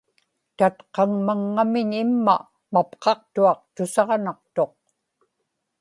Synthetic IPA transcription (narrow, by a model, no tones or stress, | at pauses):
t̪at̪qɑŋmaŋːamɪɲɪmːa̰ | mapqɑq̚t̪uɑq̚t̪ʊsɑʁnɑqt̪o̞q̚